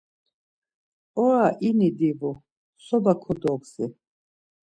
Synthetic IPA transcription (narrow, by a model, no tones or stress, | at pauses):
ɔɾaʔinid̪ivɔ | sɔbakʰɔd̪ɔksɛ